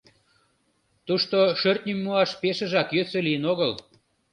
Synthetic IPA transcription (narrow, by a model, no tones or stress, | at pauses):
t̪uʃt̪oʃørt̪̚nʲimːuɑʃpeʃə̆ʒɑkjøsølijənoɣəl